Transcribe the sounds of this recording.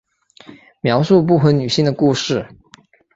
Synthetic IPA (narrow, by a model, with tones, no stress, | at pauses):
mjɑ˧˥ʊʂu˥˧p̬u˥˩xə˧˥ny˨˩ɕi˥˩ŋd̪ə˩ku˥˧ʂɻ̩˥˩